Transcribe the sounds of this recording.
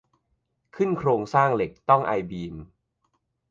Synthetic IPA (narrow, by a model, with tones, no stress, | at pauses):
kʰɯ˥˩nkʰɾoː˧ŋsaː˥˩ŋle˨˩k̚t̪ɔ˥˩ŋʔa̰˧jbiː˧m